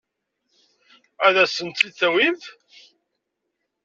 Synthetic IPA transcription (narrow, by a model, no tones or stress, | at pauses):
æðæsənt̪ːiθæwiv